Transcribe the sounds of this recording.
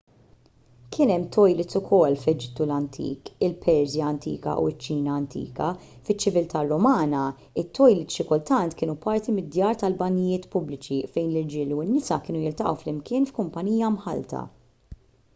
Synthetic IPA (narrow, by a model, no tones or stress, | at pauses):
kʰɪːnɛmːt̪ʰɔjlɪt̪ʊkʰɔlːflɛd͡ʒɪt̪ːulɐnt̪ʰḭːkɪlpʰɛɾzjɐːnt̪ḭːkɐ̰ʔṵɪt͡ʃːiːnɐːnt̪ʰḭːkɐ | fɪt͡ʃːɪvɪlt̪ɐrːɔmɐːnɐ | ɪt̪ːɔjlɪt̪ʃɪkʊlt̪ɐnt̪kɪːnupɐɾt̪imɪd̪jɐːɾt̪ɐlbɐnːɪjɪːt̪pʊblɪt͡ʃifɛjnlɪɾd͡ʒɪːluɪnːɪsɐkɪːnujɪlt̪ɐʔɐ̰wflɪmkɪːnfkʊmpɐniːjɐmħɐ̰lt̪ʰɐ̰